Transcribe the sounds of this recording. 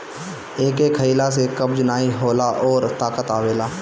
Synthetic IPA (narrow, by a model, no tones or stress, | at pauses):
eːkekʰəilas̬ekəbd͡ʒnaːiɦoːlaʔɔːɾt̪aːkət̪aːʋeːlaː